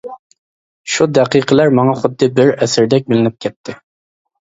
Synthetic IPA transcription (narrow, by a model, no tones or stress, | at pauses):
ʃud̪ɛqiqʰəlæɾmɑŋɑχʊd̪ːɨbɪɾɛsɪɾd̪ɛk̚ʲbɪlɪnɪp̚kʲʰɛt̪ʰːɪ